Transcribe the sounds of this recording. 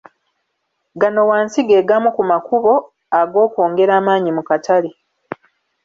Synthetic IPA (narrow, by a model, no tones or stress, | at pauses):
ɡano̞waːnsiɡe̞ːɡamukumakuβo̞ | aɡo̞ːko̞ːŋɡe̞ɾaːmaːɲimukatale